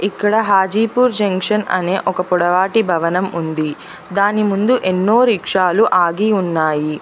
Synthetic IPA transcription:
ikːɐɽɐɦaːd͡ʒiːpuːɾd͡ʒɐŋkʂɐnɐ̰ne̞ːʔɔkɐpɔɽɐʋaːʈibʱɐʋɐnɐmund̪i | d̪aːnimund̪uʔe̞nːoːɾiːkʂaːluʔaːɡiunːaːji

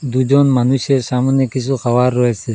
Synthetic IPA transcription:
d̪ud͡ʒɔnmanuʃeɾsamɔnekisʰuxabaɾːɔese

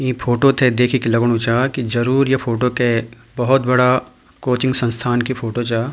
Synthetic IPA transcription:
ĩpʰoːʈot̪ʰed̪eːkʰikilɐɡɽ̃ũt͡ʃaːkid͡ʒɐɾuːɾjepʰoːʈoke | bɐɦʊt̪bɐɽa | koːt͡ʃɪ̃ŋɡsɐ̃nst̪ʰaːnkipʰoːʈot͡ʃaː

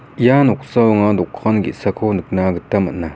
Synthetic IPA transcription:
janoχsawŋand̪oχkʰɑnɡḭsʰakʰond̪ək̚naɡət̪amə̰na

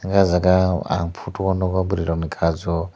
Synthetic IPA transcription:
ŋɡazakaa̰mpʰutuwɔnɔkabuɾiɾɔnikʰad͡zɔ

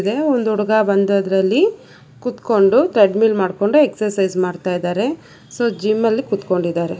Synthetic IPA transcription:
d̪e̞ond̪uuɽɐɡabɐnd̪od̪ɾɐlːi | kut̪ko̞ɳɖut̪ɾeɖmilmaːɖko̞ɳɖueksɐɾsɐjzmaːɖt̪aːjd̪aːɾe̞ | soːd͡ʒimɐlːikut̪ko̞ɳɖid̪aːɾe̞

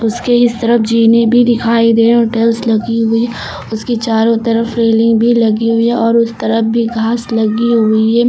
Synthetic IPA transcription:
ʊskeɪst̪ɐɾəfd͡ʒiːnebʱid̪ɪkʰaːid̪eːoʈeːlslɐɡiɦʊi | ʊskit͡ʃaːɾõt̪ɐɾəfɾeːlɪ̃ŋɡbʱilɐɡiɦʊiɦɛɔːɾʊst̪ɐɾəfbʱiɡʱaːslɐɡiɦʊiɦɛː

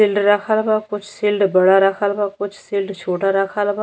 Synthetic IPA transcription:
ɪlɖɾakʰalbakʊt͡ʃʰsɪlɖbəɽaɾakʰaːlbakʊt͡ʃʰsɪlɖt͡ʃʰoːʈaɾakʰaːlba

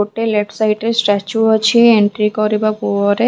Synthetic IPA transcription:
oʈeleʈsajʈeɾsʈɾɛt͡ʃuɦat͡ɕʰieɳʈɾikɔɾibapuoɾe

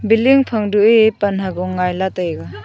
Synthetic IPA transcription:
biliŋpʰɐŋduʔipɐnɦaɡɔŋːajlatajɡa

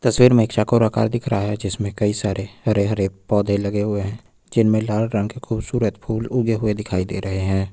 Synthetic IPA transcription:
t̪əswiːɾmẽɪkʃakoɾaka̰ːɾd̪ɪkʰɾaaɦɛd͡ʒɪsmẽkɐisaːɾʔehɐɾeɦəɾepɔːd̪ʱelɐɡeɦʊeɦɛ̃ː | d͡ʒɪnmẽlaːlɾə̃ŋɡkekʰuːbsuːɾət̪pʰuːlʊɡeɦʊed̪ɪkʰaːid̪ḛːɾɐɦeɦɛ̃ː

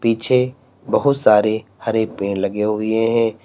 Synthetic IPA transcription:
piːt͡ʃʰe | bɐɦʊt̪saːɾehɐɾepẽːnlɐɡeɦʊieɦɛ̃ː

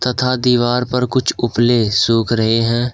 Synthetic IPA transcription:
t̪ɐt̪ʰad̪iːʋaːɾpɐɾkʊt͡ʃʰʊplesuːkʰɾəɦeɦɛ̃ː

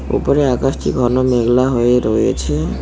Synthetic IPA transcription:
ṵpoɾeakasʈʰḭɡʱɔnomeɡlaɦoeɾojḛt͡ɕʰe

